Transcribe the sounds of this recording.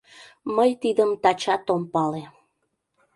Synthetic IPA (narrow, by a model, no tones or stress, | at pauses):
məjt̪id̪əmt̪ɑt͡ɕɑt̪ompɑle